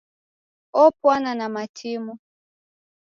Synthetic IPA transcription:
ɔpwananamatʰimu

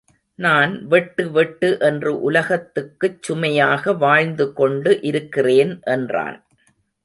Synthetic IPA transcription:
naːnʋɛʈːɯʋɛʈːɯʔɛndrɯʔʊlɐɣɐt̪ːɯkːɯt͡ʃːʊmɐjaːɣɐʋaːɻnd̪ɯkɔɳɖɯʔɪɾɯkːɪreːnʔɛndra̰ːn

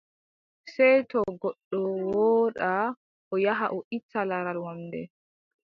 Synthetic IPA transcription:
sɛjtɔɡɔɗːɔwɔːɗa | ʔɔjaɦaʔɔʔit͡sːalaɾalwamdɛ̰

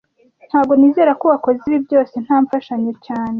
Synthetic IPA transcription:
n̥haːb̚ɡo̞niːze̞ːɾakoβako̞ziβibjo̞ːse̞n̥haːɱfaʃaɲe̞caːne̞

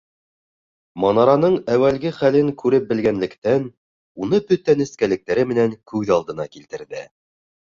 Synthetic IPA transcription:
mɑnɑɾɑnɤɴæwælɡɘχælɘŋkʉɾɘp̚bɘ̆lɡænlɘ̆kt̪æn | unɤbɵt̪ænɘ̆skælɘ̆k̚t̪æɾɘmɘ̆næŋkʉðɑlˠd̪ɤ̆nɑkilt̪ɘ̆ɾðɘ

